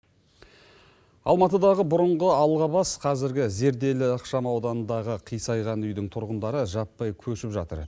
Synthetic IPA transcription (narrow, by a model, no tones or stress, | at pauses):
ɑ̰lˠmɑt̪əd̪ɑʁəbʊɾəɴʁəɑwlˠʁɑbɑsqʰɑzɪɾɡʲɪze̞ɾd̪e̞lɪəqʃɑmɑwd̪ɑnənd̪ɑʁəqʰijsɑjʁɑnʏjd̪ɪŋt̪ʰʊɾʁənd̪ɑɾəʒɑpːɑjkʲʰɵʃɪpʒɑt̪ə̰ɾ